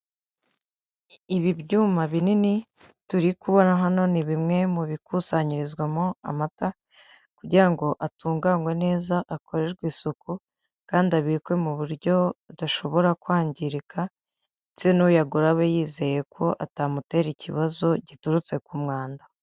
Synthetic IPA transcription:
iβibɟuːmaβinini | tuɾikuβo̞naɦano̞niβimŋe̞muβikusaɲiɾizɡwamoa̰mata | kuɾɟiɾaŋɡo̞ʔatuːŋɡaŋɡwe̞ne̞ːzaʔakʰo̞ɾe̞ɾɡwiːsuku | kaːndiaβikwe̞muβuɾɟo̞daʃo̞βo̞ɾakwaːɲɟiɾikʰa | t͡senujaɡuɾaβejiːze̞je̞kʰo̞ʔa̰taːmute̞ːɾicʰiβazo̞ɟituɾut͡se̞kumŋaːnda

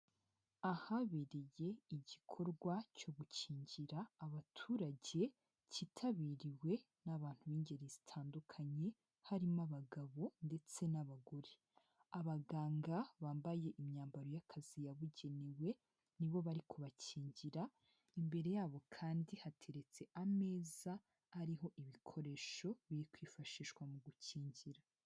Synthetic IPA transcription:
ahaβiɾeje̞iɟikʰo̞ɾɡwaco̞ɡuciːɲɟiɾaːβatʰuːɾaɟe̞ | citʰaβiːɾiwe̞ | naβaːn̥huβiːɲɟe̞ɾezitʰaːndukʰaɲe̞ | haɾimaβaɡaβo̞nde̞t͡se̞naβaɡo̞ɾe | aβaɡaːŋɡaβaːmbaje̞ʔimɲaːmbaɾo̞jakʰazijaβuɟe̞newe̞ | niβo̞βaɾikʰuβaciːɲɟiɾa | imbe̞ɾe̞jaːβo̞kʰaːndihatʰe̞ɾe̞t͡se̞ʔame̞ːzaː | ɾiɦo̞ʔiβikʰo̞ɾe̞ːʃo̞βiɾikwiːfaʃiːʃwamuɡuciːɲɟiɾa

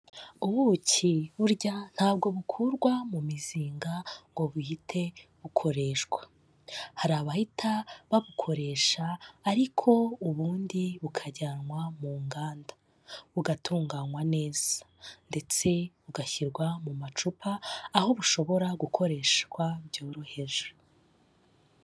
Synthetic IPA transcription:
uβuciβuɾɟan̥haːbɡo̞βukʰuɾɡwamumiziːŋɡaŋɡo̞βuhitʰe̞βukʰo̞ɾe̞ʃɡwḁ | haɾaːβahitʰaβaβukʰo̞ɾe̞ːʃaːɾikʰo̞uβuːndiβukʰaɟaːnŋwamuːŋɡaːnda | βuɡatʰuːŋɡaːŋwane̞ːz̥ḁ | nde̞t͡se̞βuɡaçiɾɡwamumat͡ʃupʰaːho̞βuʃo̞βo̞ɾaɡukʰo̞ɾe̞ːʃɡwabɟo̞ːɾo̞he̞ʒe

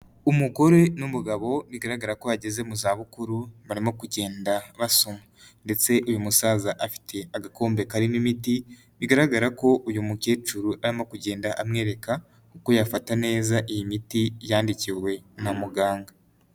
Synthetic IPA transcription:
umuko̞ɾe̞numuɡaβo̞βiɡaɾaɡaɾakoβaɟeze̞muzaːβukuɾuβaɾimo̞kuɟe̞ːndaβasoma | nde̞t͡se̞ʔujumusaːzaʔafi̥tʰe̞aɡako̞ːmbe̞kaɾinimiti | βiɡaɾaɡaɾako̞ʔujumuke̞ːt͡ʃuɾuʔaɾimo̞kuɟe̞ːndaʔamŋe̞ːɾe̞ka | uko̞jafatane̞ːzaʔijimitijaːndiciɾwe̞namuɡaːŋɡa

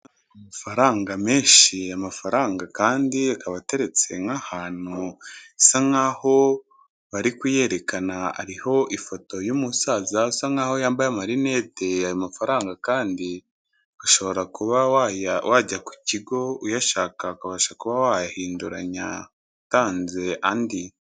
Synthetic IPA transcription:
amafaɾaːŋɡame̞ːʃiamafaɾaːŋɡakaːndiakaβate̞ɾe̞t͡se̞̰ŋahaːn̥usaŋaːho̞ | βaɾikwije̞ɾe̞kanaa̰ɾiho̞ʔifo̞to̞jumusaːzasaŋaːho̞jaːmbajamaɾine̞teajomafaɾaːŋɡakaːndi | aʃo̞βo̞ɾakuβawajawʔaɟaku̥ciɡo̞ujaʃaːkakaβaʃakuβawajahiːnduɾa̰ɲa̰ | taːnze̞andi

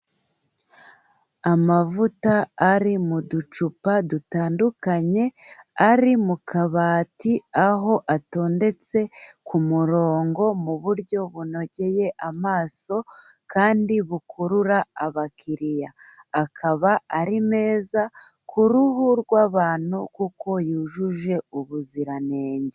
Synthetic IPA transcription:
amavutaːɾimudut͡ʃupadutaːndukaɲe̞aɾimukʰaβaːtiaɦo̞ʔato̞ːnde̞t͡se̞kumuɾo̞ːŋɡo̞muβuɾɟo̞βuno̞ɟe̞je̞ʔamaːso̞ | kaːndiβukʰuɾuɾaaβakʰiɾijaː | kʰaβaːɾime̞ːza | kʰuɾuhuɾɡwaːβaːn̥hukuko̞juːʒuʒe̞uβuziɾane̞ːɲɟe

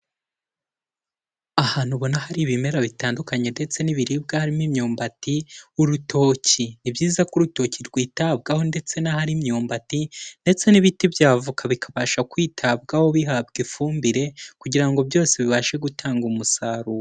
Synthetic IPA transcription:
ahaːn̥huβo̞nahaɾiβime̞ɾaβitaːndukaɲe̞nde̞t͡se̞niβiɾib̚ɡahaɾimimɲuːmbatiuɾutʰo̞ːcinibjiːzakuɾuto̞ːciɾɡwiːtab̚ɡaho̞nde̞t͡se̞nahaɾimɲuːmbatinde̞t͡se̞niβitibjaːvukaβikʰaβaːʃakwiːtʰab̚ɡaho̞βiɦabɡifuːmbiɾe̞kuɟiɾaŋɡo̞bjo̞ːseβiβaʃe̞ɡutʰaːŋɡumusaːɾuo

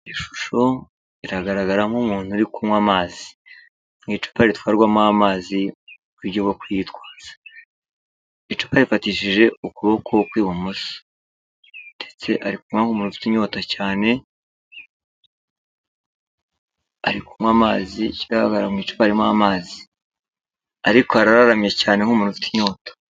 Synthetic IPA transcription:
iʃu̥ʃo̞ | iɾaɡaɾaɡaɾamumuːn̥huɾikumwamaːzi̥ | mŋiːt͡ʃu̥paɾitwaːɾɡwamamaːzi | βuɾɟoɡokujitwaːz̥ḁ | it͡ʃu̥paɾifatiːʃiʒe̞ukuβokʰokwiːβomuso̥ | nde̞̥t͡se̞ʔaɾikumŋwaŋhumuːnufi̥tiɲo̞ːtacaːne̞ | aɾikumwaːmaːziciɾaha̰ɡaɾamŋiːt͡ʃu̥paɾimamaːzi̥ | aɾikoaɾaɾaɾamijecaːne̞ŋhumuːnufi̥ti̥ɲo̞ːtḁ

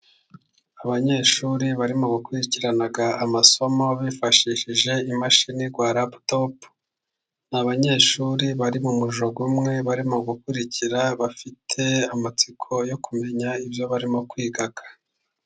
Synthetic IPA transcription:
aβaɲe̞ːʃuːɾiβaɾimo̞ɡukuɾiciɾanaɡaːmaso̞mo̞βiːfaʃiʃiʒe̞imaʃiniɡwaːɾaptop | naβaɲe̞ːʃuːɾiβaɾimumuʒo̞ɡumŋe̞βaɾimo̞ɡukuɾiciɾaβafitʰe̞amat͡sikʰo̞jo̞kume̞ɲaibjo̞βaɾimo̞kwiːɡakʰḁ

